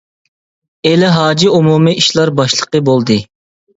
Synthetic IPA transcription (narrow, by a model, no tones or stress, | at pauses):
elɪɦɑːd͡ʒiumumɨiʃlˠɑɾbɑʃlˠəqəbolˠd̪ɨ